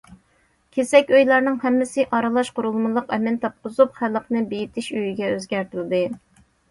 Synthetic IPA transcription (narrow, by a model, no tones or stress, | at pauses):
kʲʰesɛkʲøjlˠɑɾnɨŋhɛmːɪsɪʔɑɾɨlˠɑʃqʊɾulˠmɨlˠəqɛmɛnt̪ʰɑp̚qʊzupχælːəqnɨbejit̪ʰɪʃyjyɡʲɛøzɡʲæɾt̪ɪlɪd̪ɨ